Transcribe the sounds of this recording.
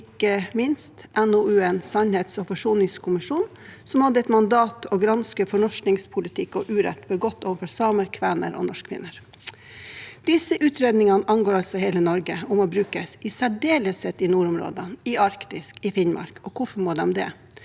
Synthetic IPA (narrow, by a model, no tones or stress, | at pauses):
kːəmɪnst̪ʔɛnoʉːɛnsɑnheːt̪sɔpʰɑʂuːnɪŋskʰʊmɪʂuːn | sɔmhɑd̪ːəɛt̪mɑnd̪ɑːt̪ʰɔɡɾɑnskəfɔɳɔʂknɪŋspʰʊlɪt̪ʰɪkːɔʔʉːɾɛ̰t̪ːbəɡɔt̪ːoːʋəfɔɾsɑːməɾkʰʋæːnə̰ɾɔ̰nɔʂkʰʋɪ̰nːəɾ | d̪̥ɪsəʔʉːt̪ʰɾeːd̪nɪŋɑnəʔɑnɡoːɾɑlsɔheːlənɔɾɡəʊmoːbɾʉːkəsɪsæɖeːləshet̪ɪnuːɾʊmɾo̰ːd̪ənɪɑɾkt̪ɪskɪfɪnmʔɑ̰ɾkɔkʰʊfɔɾmoːd̪ɛmd̪ɛ̰ː